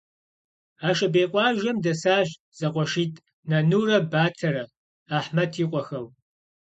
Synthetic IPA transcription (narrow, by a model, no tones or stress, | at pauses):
aːʃɐbeːqʷʼɑːʒɐmdɐsaːʑ | z̥ɐqʷʼɔʃiːtʰʼ | nɐnuːrɐbaːtʰɐɾɐ | aːħmɐtʰiːqʷʼɔxɐw